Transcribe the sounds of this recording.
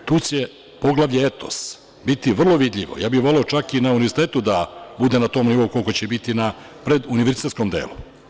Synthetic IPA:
t̪uːt͡ɕe̞ | po̞ɡlˠaʋʎeet̪o̞̰s | bit̪iʋr̩lˠo̞ʋid̪ʎʲiʋo̰jaːbixʋo̞le̞o̞t͡ʃakinauniʋeɾsit̪e̞ːt̪ud̪abud̪e̞nat̪o̞ːmniʋo̞ukolko̞t͡ɕebit̪inapɾe̞d̪uniʋeɾzit̪et̪sko̞md̪ḛːlu

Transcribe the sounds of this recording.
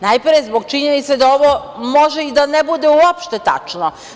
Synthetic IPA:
najpɾjezboɡ̚t͡ʃiɲenit̪sed̪ao̞ʋomo̞ʒeid̪anebud̪euopʃt̪et̪a̰t͡ʃno

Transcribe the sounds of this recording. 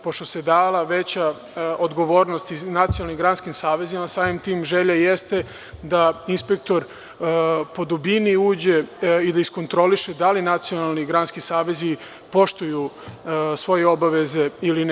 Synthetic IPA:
po̞ʃt̪o̞sed̪aːlˠaʋet͡ɕa | od̪ɡo̞ʋo̞ːɾnost̪inat̪sijonalnimɡɾanskimsaːʋe̞zimasaːmimt̪iːmʒeʎajest̪e | d̪ainspe̞k̚t̪o̞ɾ | po̞d̪ubiniuːd͡ʑe̞id̪aisko̞nt̪ɾo̞liʃed̪alinat̪sijonalˠniɡɾanskisaːʋe̞zi | po̞ʃt̪uju | sʋo̞jeo̞baʋe̞ze̞ilin

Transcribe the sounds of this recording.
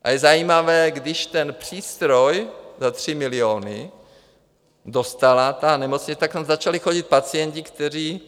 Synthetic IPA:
ʔa̰jɛzajiːmavɛːɡdɪʃt̪ɛnpr̥iːst̪ɾojzat̪r̝̥ɪmɪlɪoːnɪ | do̞st̪alat̪anɛmot͡sɲt͡sɛt̪akt̪amzat͡ʃalixo̞ɟɪt̪̚pat͡sijɛɲcɪkt̪ɛriː

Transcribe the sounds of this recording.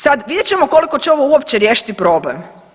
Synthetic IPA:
sad̪ʋid̪jet͡ɕemoko̞liko̞t͡ɕeo̞ʋouopt͡ɕeɾjeːʃi̥t̪ipɾo̞ble̞m

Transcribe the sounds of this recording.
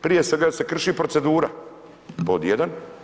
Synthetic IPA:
pɾije̞sʋe̞ɡaːse̞kr̩ʃiːpɾo̞tse̞d̪uːɾa | pod̪jed̪an

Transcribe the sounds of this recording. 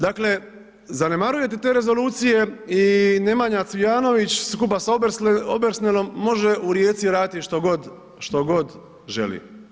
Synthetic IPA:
d̪aːkle̞ | zane̞maɾuje̞t̪et̪eːɾe̞zo̞luːt̪sije̞ine̞maɲat̪sijaːno̞ʋit͡ɕskupasaobeɾsnelo̞mːo̞ʒeʔuɾje̞ːt̪siɾaːd̪it̪iʃt̪oɡod̪ | ʃt̪o̞ɡo̞d̪ | ʒe̞̰lḭ

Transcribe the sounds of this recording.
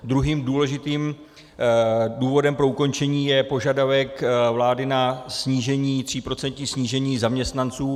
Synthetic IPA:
d̪ɾuɦiːmduːlɛʒɪt̪iːm | duːvo̞dɛmpɾo̞uko̞nt͡ʃɛɲiːjɛpo̞ʒadavɛkvlaːdɪnasɲiːʒɛɲiːt̪r̝̥iːpɾo̞t͡sɛnt̪ɲisɲiːʒɛɲiːzamɲɛst̪nant͡suː

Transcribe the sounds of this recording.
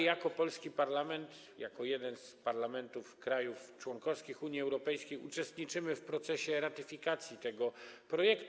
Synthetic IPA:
jakɔpɔlskʲipaɾlamɛnt̪ | jakɔjɛd̪ɛnspaɾlamɛnt̪ufkɾajuft͡ʂwɔŋkɔfskʲixuɲjiɛwɾɔpɛjskʲejut͡ʂɛst̪ɲit͡ʂɘmɘfpɾɔt̪sɛɕɛɾat̪ɘfʲikat̪sʲjit̪ɛɡɔpɾɔjɛkt̪

